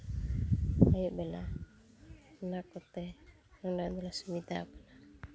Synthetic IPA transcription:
ajuʔbɛla | nakɔt̪ɛ | nɔnɖɔjd̪ɔlasumit̪aːpana

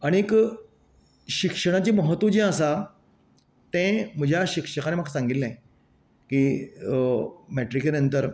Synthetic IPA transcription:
aɽ̃ek | ɕikʂəɽ̃at͡ɕiːməɦət̪ːʋud͡ʑĩəsa | t̪ɛ̃m̤əd͡ʑʱjaɕikʂəkanemaksãŋɡit̪lẽ | kiː | mɛʈɾikenənt̪əɾ

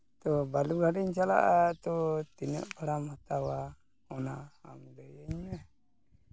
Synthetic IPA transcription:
t̪ɔbaluɡʱaɖɛɲt͡ʃala̰ʔat̪ɔt̪inə̰ʔbʰaɽamhat̪awa | ɔnaːmd̪əjəɲmɛ

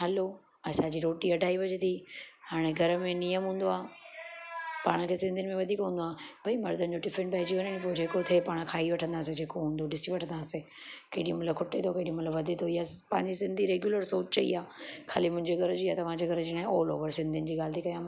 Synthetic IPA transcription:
ɦɐlo | ɐsãd͡ʑiːɾoːʈiɐɖʱaːiʋɐd͡ʑt̪ʰihaːɽ̃eɡʱɐɾmẽnijəmɦũːn̆d̪oaː | paːɽ̃ə̆kʰeːsɪ̃nd̪iɪnɪmẽʋɐd̪ʱiːkɦũːn̆d̪oaːbʱɐimɐɾd̪ənɪ̆d͡ʑoʈɪfʰɪ̃ɳʈpɐɦɪd͡ʑiɦʊnəñĩpoːd͡ʑeːkot̪ʰepaːɽ̃kʰaːiʋɐʈʰə̃nd̪aːsed͡ʑeːkoɦũːnd̪oɗɪsiʋɐʈʰə̃nd̪aːse | kɐːɗij̃mɐt̪ləb̚kʰʊʈet̪ʰokeːɗimɐt̪ləbʋɐd̪ʱet̪ʰoijapɐ̃ɦɪ̃ɲd͡ʑisɪ̃nd̪ʱiɾeːɡjuləɾsoːt͡ɕt͡ɕɐḭaːkʰa̰ːlimʊ̃ɦɪ̃ɲd͡ʑeɡʱɐɾd͡ʑiːat̪ɐʋ̤ãd͡ʑeɡʱɐɾd͡ʑinãːolo̰ːʋəɾsɪ̃nd̪ʱiʊnɪ̆d͡ʑiːɡaːlɪt̪ikɐjãː

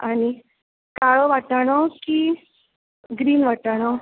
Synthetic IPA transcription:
aɽ̃i | kaɭoʋaʈaɽ̃ɔkiː | ɡɾiːnʋaʈaɽ̃ɔ

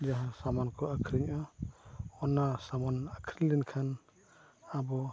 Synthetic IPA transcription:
d͡ʒaɦasamankɔʔakʰɾiɲa | ɔnasamanakʰɾilinkʰan | abɔ

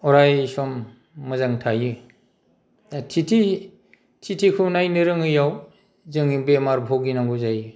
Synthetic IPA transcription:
ɔɾajsɔmː | ɯzaŋtʰajɯ | atʰitʰi | tʰitʰikʰɯnajnɯɾɯŋɯjaw | zɯŋibemaɾbʱɔɡinaŋɡuzajɯ

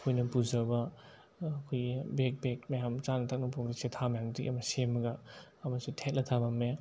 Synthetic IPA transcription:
kʰojnɐpuzɐbɐː | kʰojbek̚bek̚majamt͡ʃanɐtʰak̚nɐpoŋɾisetʰamɐjaŋtḭʔɐmɐsemɐɡɐː | mɐsutʰet̚lʔɐtʰabɐmːe

